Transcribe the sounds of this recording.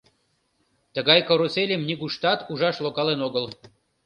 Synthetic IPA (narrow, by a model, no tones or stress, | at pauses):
t̪ə̆ɣɑjkoɾoselʲemnʲiɡuʃt̪ɑt̪uʒɑʃlˠokɑlenoɡəlˠ